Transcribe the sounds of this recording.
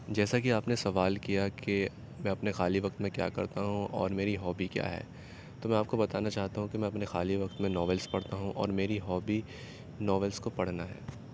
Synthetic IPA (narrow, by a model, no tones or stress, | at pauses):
d͡ʒɛːsakiaːpnesɐʋaːlkijake | mɛ̃ːɐpnexaːliʋɐk̚t̪mẽkja̰ːkɐ̰ɾt̪aɦũʔɔ̰ːɾmeːɾiɦɔːbikja̰ːɦɛ̰ː | t̪oːmɛ̃aːp̚kobɐt̪aːnat͡ʃaːɦt̪aɦũkimɛ̃ɐpnexaːliʋɐkt̪mẽnɔːʋɛlspɐɽ̤t̪aɦũʔɔ̰ːɾmeːɾiɦɔːbi | nɔːʋɛlskopɐɽ̤naɦɛ̰ː